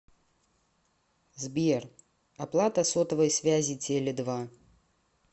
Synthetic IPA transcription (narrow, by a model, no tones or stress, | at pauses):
zbʲer | aplˠat̪ɐsɔt̪ɐvɐjsʲvʲazʲit͡sʲelʲɛd̪va